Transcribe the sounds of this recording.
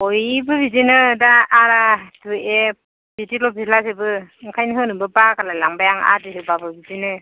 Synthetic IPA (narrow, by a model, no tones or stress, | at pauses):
ɔjbɯbizinɯdaːɾatue | bitilɔbislasebɯŋkʰajnɯɦɯnɯbɯbakalajlaŋbajaŋa̰dɯɦɯbabɯbizinɯ